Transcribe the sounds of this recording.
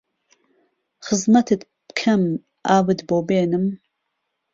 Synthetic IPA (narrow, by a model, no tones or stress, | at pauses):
χəzmɐt̪ʰɨd̪ | pkʰɐm | aːwɨd̪boːbeːnɨm